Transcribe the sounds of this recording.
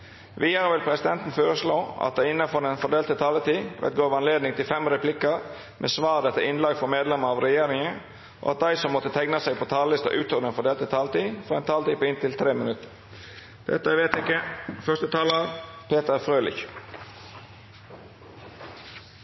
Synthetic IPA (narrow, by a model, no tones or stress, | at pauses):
ʋʔiːəɾəʋɪlpʰɾɛsɪd̪ɛnt̪n̩føːɾəsloːɑ̰t̪̚d̪æɪɪnːɑfɔɾd̪ɛnfɔɖ̪eːlt̪ət̪ʰɑːlət̪iːʋɛ̰t̪̚ɡoːʋɑnleːd̪nɪŋt̪ɪlfɛmɾɛplɪkəɾ | mʔḛːsʋɑːɾd̪ɛt̪ːəɪnlɑːɡfɔmeːd̪lɛməɾɑːʋɾɛjeːɾɪŋən | ʔo̰ːɑt̪̚d̪æɪsɔmːɔt̪ːət̪ʰɛŋnɑsɛɪpʰɔt̪ʰɑːllɪst̪ɑ̰ʔʉːt̪ʰoːd̪ɛnfɔɖ̪eːlt̪ət̪ʰɑːlət̪iːfɔɾɛnt̪ʰɑːlt̪iːpɔɪnt̪ɪlt̪ʰɾeːmənʉt̪ːəɾ | d̪̥ɛ̰t̪ːəʋeːt̪ɪkːəfœʁst̪ət̪ʰɑːləpʰeːt̪əɾfɾøːlɪ̰ç